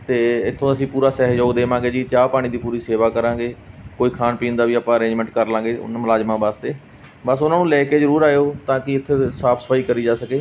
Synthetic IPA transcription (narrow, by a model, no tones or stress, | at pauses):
t̪eːɪt̪ʰːõːəsĩːpuːɾaːsɛːɦd͡ʒooːd̪eːʋãːɡeːd͡ʒiːt͡ʃaːpaːɽ̃iːd̪iːpuːɾiːseːʋaːkəɾãːɡeːkoːiːkʰaːnpiːnd̪aːʋiːəpãːəɾẽːd͡ʒmɛ̃ɳʈ̚kəɾlãːɡḛːnməlaːd͡ʒmãːbaːst̪eː | bəsʊnãːnũːlɛːkeːd͡ʒəɾuːɾaːeoːt̪ãːkɪɪt̪ʰːeːsaːpʰsə̥pʰaːiːkəɾiːd͡ʒaːsəkeː